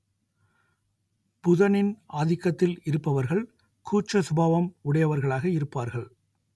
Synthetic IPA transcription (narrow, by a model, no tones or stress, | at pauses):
pʊðɐnɪnʔaːðɪkːɐt̪ːɪlɪɾɯpːɐʋɐɾɣɐɭ | kʰuːt͡ʃɐsʊbaːʋɐmʊɽɐjɐʋɐɾɣɐɭaːɣɐɪɾɯpːaːɾɣɐɭ